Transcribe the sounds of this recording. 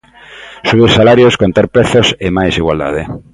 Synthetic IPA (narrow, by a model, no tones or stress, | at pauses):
suβ̞iɾsalaɾjoskont̪aɾpɾeθosɪmajsiɣwald̪a̰ðe